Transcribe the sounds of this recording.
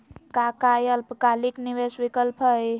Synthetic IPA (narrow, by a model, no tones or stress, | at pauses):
kakajəlpkalikniʋesʋikəlpʰəj